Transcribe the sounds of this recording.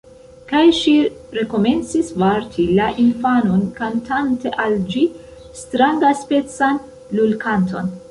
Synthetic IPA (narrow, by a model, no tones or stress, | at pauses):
kajʃiɾe̞ko̞me̞nt͡sisvaɾtʰilaʔinfano̞nkantʰante̞ʔald͡ʒi | stɾaŋɡaspe̞t͡san | lulkʰantʰo̞̰n